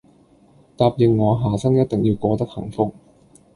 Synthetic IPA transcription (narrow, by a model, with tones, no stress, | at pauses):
t̪aː˧p̚ji˨˩ŋŋɔː˨˧ɦaː˨sɐ˥ŋjɐ˥t̚t̪ɪ˨˩ŋjiː˧wkʷɔː˧t̪ɐ˥k̚hɐ̰˨˩ŋfʊ˥k̚